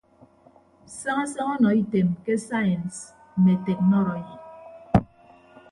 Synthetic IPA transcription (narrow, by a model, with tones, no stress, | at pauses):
sa˦ŋa˦sa˦ŋɔ˦nɔ˨i˦te˨mke˦sa˦jɛ˨ns̩˨ | me˨te˨k̚nɔ˦ɾɔ˨ji˨